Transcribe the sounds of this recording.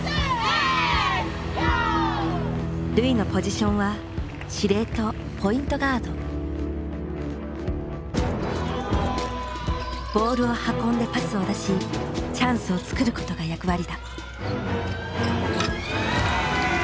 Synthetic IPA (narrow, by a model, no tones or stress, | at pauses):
ɾɯ̟inopo̞ʑiɕõ̞ɰ̃βa | ɕiɾe̞ːt̪o̞ | pʰo̞ĩnt̪o̞ɡaːd̪o̞ | b̥o̞ːɾɯ̟o̞hakõnd̪e̞pat͡sɨo̞d̪aɕit͡ɕãɰ̃sɨo̞t͡sɨ̥kɯ̟ɾɯ̟ko̞t̪o̞ɡajakɯ̟βaɾʲid̪a